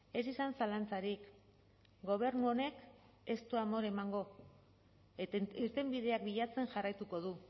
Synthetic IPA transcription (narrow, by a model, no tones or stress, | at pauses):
e̞sisansalant͡saɾik | ɡo̞β̞e̞ɾnuo̞ne̞k | e̞st̪uamo̞ɾe̞maŋɡo̞ | eiɾt̪e̞mbið̞e̞ak̚biʎat͡se̞nʝarajt̪uko̞ðu